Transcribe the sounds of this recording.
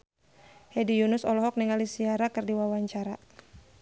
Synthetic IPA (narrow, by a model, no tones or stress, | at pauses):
hedijunʊsɔlɔɦɔk̚niŋalisiaɾakɨrdiwawaɲt͡ʃaɾa